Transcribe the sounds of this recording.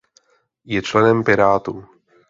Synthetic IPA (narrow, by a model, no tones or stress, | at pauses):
jɛt͡ʃlɛnɛmpɪɾaːt̪u